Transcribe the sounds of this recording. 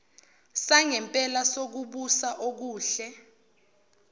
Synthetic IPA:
saŋɛmpʼɛlasok̬uɓusaʔok̬uːɬɛ

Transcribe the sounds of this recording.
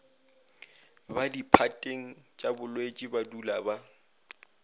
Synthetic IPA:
badipʰatʼeŋ̩t͡ʃʼabʊlwet͡ʃʼɪbadulaba

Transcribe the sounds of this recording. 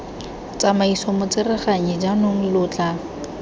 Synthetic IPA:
t͡samaisɔmʊt͡sɪrɪχaɲɪd͡ʒanʊŋ̩lʊt͡ɬʼa

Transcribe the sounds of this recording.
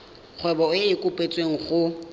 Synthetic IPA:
k͡xʰwɛbɔɪkʼʊpʼet͡sʼweŋ̩χʊ

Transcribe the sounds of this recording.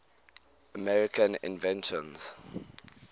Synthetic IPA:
əmɛɹɪkʰə̃nɪ̰̃nvɛ̃nʃɔ̰̃nz̥

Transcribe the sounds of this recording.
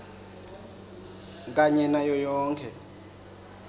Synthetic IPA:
k̬ʼaɲɛnajɔjɔːŋkʰɛ

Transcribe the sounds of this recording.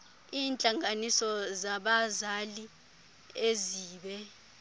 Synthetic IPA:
iːnt͡ɬʼaŋanisɔzaɓazali | eziːɓɛ

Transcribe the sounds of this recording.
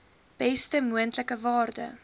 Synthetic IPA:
b̥ɛstəmuəntləkəvɑːrdə̰

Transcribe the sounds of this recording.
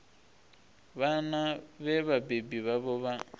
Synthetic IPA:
βanaβɛβabebiβaβɔβa

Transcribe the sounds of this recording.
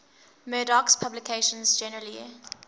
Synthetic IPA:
mɜːdakspʰablɪkʰeɪʃə̃nzd͡ʒɛnəɹəli

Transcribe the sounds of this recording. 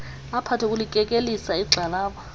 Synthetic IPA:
apʰatʰɛkʼulikʼɛkʼelisaiɡ͡ǀʱalaːɓa

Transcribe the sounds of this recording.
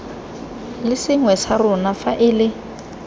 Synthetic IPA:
lɪsɪŋwɛsarʊnafaʔɪlɪ

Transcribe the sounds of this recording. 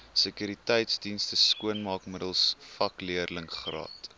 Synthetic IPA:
səkyɾitəjtsdinstəskuənmɑːkmədəlˠsfɐkliərləŋχrɑ̰ːt

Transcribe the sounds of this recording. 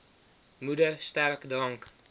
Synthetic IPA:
mudərstɛrkdɑŋk

